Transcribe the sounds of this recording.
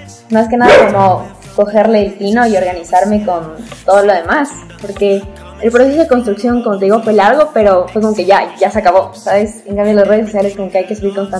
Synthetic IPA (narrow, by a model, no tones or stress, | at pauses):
mas̬ke̞naðako̞mo̞ | ko̞xe̞ɾle̞ːlt̪ino̞io̞ɾɣanisaɾme̞ko̞nt̪o̞ðolo̞ð̞e̞mas | po̞ɾke̞ː | lpɾose̞soðe̞kons̬t̪ɾuksjo̞ŋko̞mot̪e̞ðiɣo̞fwe̞laɾɣo̞pe̞ɾo̞fwe̞k̬o̞mo̞ke̞ʝaʝaseakaβo̞saβe̞seŋkamdjolosre̞ðes̬o̞sjale̞sko̞mo̞ke̞ajkesuβiɾko̞nst̪an